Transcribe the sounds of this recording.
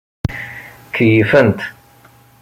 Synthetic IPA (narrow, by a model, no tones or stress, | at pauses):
kʰijifənt̪